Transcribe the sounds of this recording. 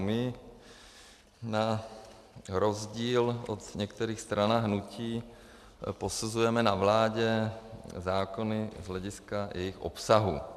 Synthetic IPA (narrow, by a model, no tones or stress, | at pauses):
mɪ | na | ɾo̞zɟiːlʔot̪ɲɛkt̪ɛɾiːxst̪ɾanaɦnuciː | po̞suzujɛmɛnavlaːɟɛ | zaːko̞nɪzɦlɛɟɪskajɛjɪxʔo̰psaɦṵ